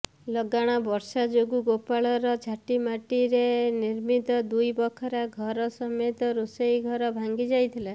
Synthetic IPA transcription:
lɔɡaɽ̃abɔɾsad͡ʒoɡuɡopaɭɔɾɔd͡ʒʱaʈimaʈiɾeniɾmit̪ɔd̪ujbɔkʰɔɾaɡʱɔɾɔsɔmet̪ɔɾusejɡʱɔɾɔbʱaŋɡid͡ʒajt̪ʰila

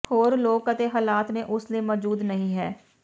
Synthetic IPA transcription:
hoːɾloːɡ̚kət̪eɦaːlaːt̪mẽʔʊsliemɔːd͡ʒuːd̪nɐɦĩɦɛː

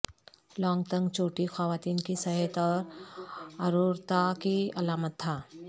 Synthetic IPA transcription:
lɔ̃ːŋɡt̪ə̃ŋɡt͡ʃoːʈixɐʋaːt̪iːnkisɐɦət̪ɔːɾ | ɐɾuːɾt̪akiɐlaːmət̪ʰːaː

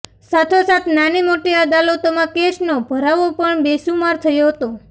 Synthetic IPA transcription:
sat̪ʰosat̪nanimoʈiəd̪alot̪omãkeʃnobʱəɾaʋopəɳbesumaɾt̪ʰəjoɦət̪o

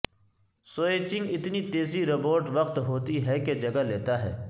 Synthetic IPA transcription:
soːeːt͡ʃɪ̃ŋɡɪt̪nit̪eːziɾɐpoːɾʈʋɐqt̪ɦoːt̪iɦɛked͡ʒɐɡaleːt̪aɦɛ̰ː

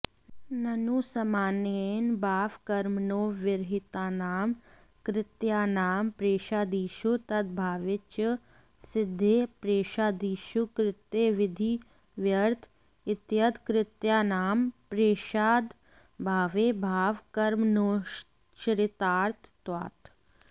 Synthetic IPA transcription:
nɐnuːsɐmaːnenbʱaːʋkəɾmnõːʋɪɾɦɪt̪aːnaːm | kɾɪt̪jaːnaːmpɾeːʃaːd̪iːʃut̪ɐd̪̚bʱaːʋɪt͡ʃ | sɪd̪ʱːeːpɾeːʃaːd̪iːʃukɾɪt̪eːʋɪd̪ʱiː | ʋjəɾt̪ʰ | ɪt̪jəd̪kɾɪt̪jaːnaːmpɾeːʃaːd̪ | bʱaːʋeːbʱaːʋkəɾmnoː | ʃɾɪt̪aːɾt̪ʰt̪wa̰ːt̪

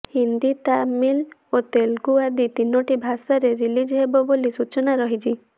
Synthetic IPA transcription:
hind̪it̪amilot̪elɡuad̪it̪inoʈibʱasaɾeɾilid͡ʒɦebɔbolisut͡ʃɔnaɾɔɦid͡ʒʰi

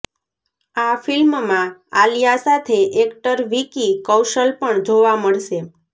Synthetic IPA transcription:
afilmmãalijasat̪ʰeʔekʈəɾʋikikəwʃəlpəɳd͡ʒoʋaməɭʃe

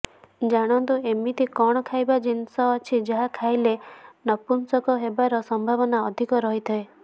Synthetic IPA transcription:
d͡ʒaɽ̃ɔnt̪uemit̪ʰikɔɽ̃ɔkʰajbad͡ʒinsɔːt͡ʃʰid͡ʒɔɦakʰajlenɔpunsɔkɔɦebaɾɔsɔmbʱabɔnaɔd̪ʱikɔɾɔɦit̪ʰɔe

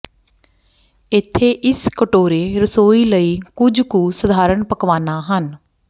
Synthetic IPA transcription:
ɪt̪ʰːeːʔɪskəʈoːɾeːɾəsoːiːləiːkʊd͡ʒkuːsəd̪ʱaːɾəɳpəkʋaːnaːɦən

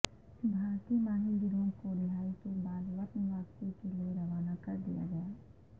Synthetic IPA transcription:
bʱaːɾt̪imaːɦɪlɪɾõkolɪɦaːit̪obaːlʋəʈnʋaːst̪ekelieɾɐʋaːnakɐɾd̪ḭja̰ɡɐjaː

